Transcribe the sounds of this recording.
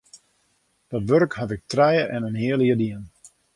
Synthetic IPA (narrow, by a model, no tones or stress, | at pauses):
d̥ɔtʋørkhavɪk̚trɛjəʔɛnənɦɪəlˠjədiən